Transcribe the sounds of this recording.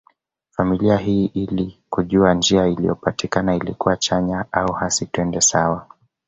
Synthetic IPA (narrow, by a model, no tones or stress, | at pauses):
familiaɦiːʔilikuʄuand͡ʒiailḭjɔpatikanailikuwat͡ʃaɲaauhasituɛndɛsawa